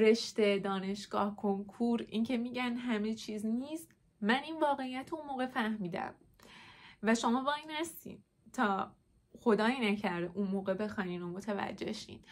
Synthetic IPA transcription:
ɾe̞ʃt̪ed̪ɒːne̞ʃɡ̥ɒːhkʰoŋkʰuɾḭːncʰe̞miːɟænɦæme̞t͡ʃʰiːzniːst̪ | mæniːnvɒːɣe̞ijæt̪ʰounmoːɣe̞fæhmiːd̪æ̰m | væʃo̞mɒːbɒːiːnhæst̪ḭːd̪ | t̪ʰɒː | xo̞d̪ɒːjinæcʰæɾd̪unmoːɣebe̞xɒːniːnomot̪ʰævæ̰d͡ʒːe̞̰ʃḭːn

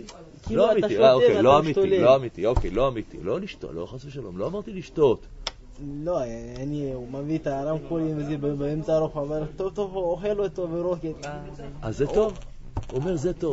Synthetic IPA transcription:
kiloamit̪iaokeloamitoiloamit̪iokejloamit̪ḭloliʃt̪o̰lo̰χasbeʃalomloamaʁt̪iliʃt̪ot̪ | loanimavit̪aɾamkolimvezibbaemtaɾoxameɾt̪ovt̪ooχelot̪oveɾoket̪ | a̰zːet̪o̞v | uomeʁzet̪ov

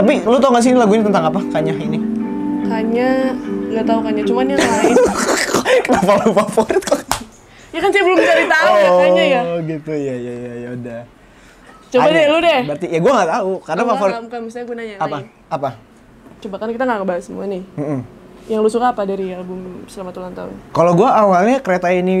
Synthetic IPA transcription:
t̪ap̬ilot̪aukans̬inilaɡuiɲt̪ənt̪aŋapakaɲaɦini | kaɲaŋɡat̪aukaɲat͡ʃumanjaai | nafalufafoɾɪt̪̚kɔ | jakansiabəlʊmt͡ʃaɾit̪auaaajaɡit̪ujajajajauda | t͡ʃobadɛludɛbəart̪ijaɡuaŋɡat̪aukarnafafoɾkamist̪iɲaɡunaɲaapa | apa | t͡ʃobakankit̪aŋɡakəbaasəmuanɪhm̩m̩jaŋlusukaːpadaɾialbʊmsəlamat̪ulant̪a̰ʊ̰nkaloɡuaawalɲakəɾet̪aini

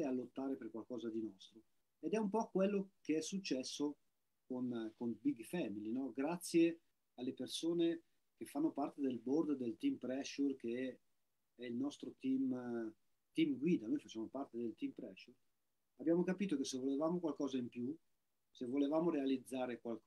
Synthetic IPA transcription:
ealːot̪ːaːɾeperkwalkɔːzad̪inɔst̪ɾo | ed̪ɛumpɔkwelːokeɛsːut͡ʃːɛsːo | konkonbiɡfɛmilinɔɡɾat̪sːje | alːepersoːne | k̟efːanːopart̪ed̪elbord̪d̪elt̪impɾɛʃːurkeɛ | ɛilnɔst̪ɾot̪im | t̪imɡwiːd̪anojfat͡ʃːaːmopart̪ed̪elt̪impɾɛʃːur | abjaːmokapiːt̪okesːevːolevaːmokwalkɔːzaimpju | sevːolevaːmoɾealid̪zːaːɾekwalk

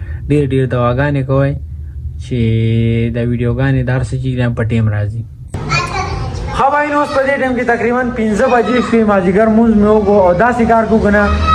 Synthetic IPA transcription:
ɖeːɾɖeːɾd̪ɐwaːɡaːnekɐwaj | t͡ʃe | d̪aːwiɖijoːɡaːned̪aɐɾsɐt͡ʃiːkdampəʈeːmɾaːzi | xɐbaːinõːspəd̪eːʈemket̪ɐkɾiːbɐnpinzəbad͡ʒiːskemaːziɡɐɾmunzmeokood̪aːsikaːɾkukəna

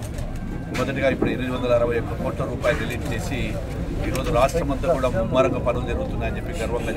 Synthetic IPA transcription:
mɔd̪ɐʈiɡaːipːuɽuiɾʋid̪iʋɐnd̪ɐlɐɐɾɐʋɐjokːɐkoːʈlɐɾuːpaːjlɐɖeliːʈ̚t͡ʃe̞ːsi | iːɾo̞ːd͡ʒuɾaːʂʈɾɐmɐnt̪ɐkuːɽaːmumːɐɾɐkɐpɐnɐlud͡ʒɐɾuɡut̪unːaːjɐnd͡ʒepːiɡɐɾʋɐk̪lɐ

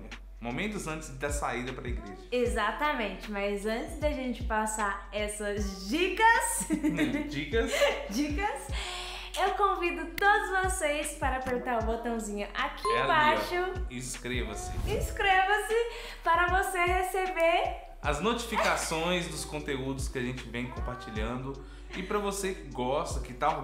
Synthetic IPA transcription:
momẽnt̪ʊzɐ̃t͡ʃɪzd̪ɐsaid̪ɐpɾɐiɡɾḛʒɐezat̪ɐmẽnt͡ʃɪmɐzɐ̃nt͡ʃɪzd̪aʒẽnt͡ʃɪ̥pasaɾɛsɐzd͡ʒikɐs | d͡ʒikɐsd͡ʒikɐs | ewkõvid̪ʊt̪od̪ʊzvosejspaɾɐapeɾt̪aɾʊbot̪ɐ̃w̃zĩɲʊʔakiɛlbaʃʊĩskɾevɐsɪĩskɾevɐsɪ | paɾɐvosehesebeɾ | ɐznot͡ʃifikasõj̃zd̪ʊskõnt̪eud̪ʊskɪaʒẽnt͡ʃɪvẽj̃kõpaɾt͡ʃiʎɐ̃d̪ʊ | ɪpɾɐvosekɡɔst̪ɐkɪt̪a

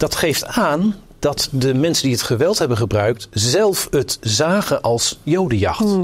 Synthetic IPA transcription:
d̥ɑtχejftaːn | d̥ɑtdəmɛnsəndiətχəʋɛlˠtɦɛbəχəbrœɥk̚tzɛlˠfɦətzaːχəʔɑlˠsjowdəjɑ̰χt

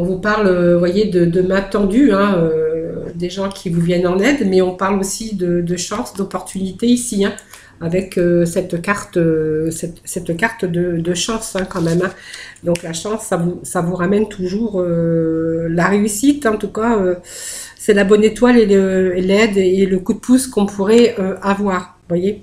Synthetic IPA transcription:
ɔ̃vupaʁløvwajed̪əd̪əmɛ̃t̪ɑ̃d̪yɛ̃ød̪eʒɑ̃kʲʰivuvjɛnɑ̃nɛd̪mɛɔ̃paʁlosid̪əd̪əʃɑ̃sd̪ɔpɔʁt̪ʰynit̪eisiɛ̃ | avɛkøsɛt̪kaʁt̪øsɛt̪sɛt̪kaʁt̪d̪əd̪əʃɑ̃sɛ̃kɑ̃mɛmɛ̃d̪ɔ̃klaʃɑ̃sːavusavuʁamɛnt̪ʰuʒuʁø | laʁeysit̪ɑ̃t̪ukaø | sɛlabɔnet̪waleəlɛd̪eləkud̪əpuskɔ̃pʰuʁɛøavwaːʁ | vwaje

